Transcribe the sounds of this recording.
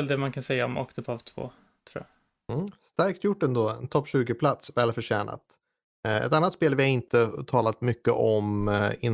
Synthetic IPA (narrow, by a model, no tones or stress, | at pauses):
ɛld̪ɛmankʰansɛjːaɔmɔ̰kt̪əpʰavt̪ʰv̥o̰ː | t̪ʰɾṵːja̰ | st̪æɾkt̪jʊʈːɛnd̪oːɛnt̪ʰɔpːɕʉ̟ːɡɪpʰlat̪svɛːlfœʂɛːnʔa̰t̪ | ɛ̰t̪anːat̪speːlvɪhaɾɪnt̪ət̪ʰɑːlat̪mʏkːə̰ʔɔmɪn